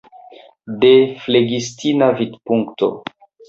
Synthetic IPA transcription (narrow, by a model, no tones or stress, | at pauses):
defleɡistʰinavidpuŋkto̰